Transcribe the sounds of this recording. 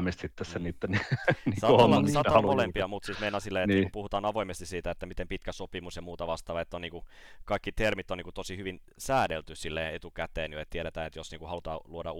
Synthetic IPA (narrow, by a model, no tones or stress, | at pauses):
mist̪sit̪ːesseniːt̪ːenniŋsɑt̪lɑsɑt̪ɑmolempiɑmut̪siːsmejnɑsilːejet̪ːiːkupuhut̪ɑːnɑʋoimest̪isiːt̪æet̪ːæmit̪empit̪kæsopimusjɑmuːt̪ɑʋɑst̪ɑːʋɑet̪ːoniːŋkukɑikːit̪ermit̪ːoniːŋkut̪osihyʋin | sæːdelt̪ysilːeːet̪ukæt̪eːnjoet̪t̪ieɾet̪æːnet̪josniːŋkuhɑlut̪ɑːluodɑ